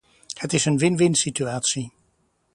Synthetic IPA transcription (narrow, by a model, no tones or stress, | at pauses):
hətɪsənʋɪnʋɪnsityaːtsi